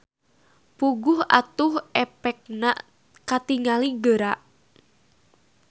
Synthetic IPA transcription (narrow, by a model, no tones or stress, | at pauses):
puɡʊha̰t̪ʊhɛpɛk̚naʔ | kat̪iŋaliɡəɾaʔ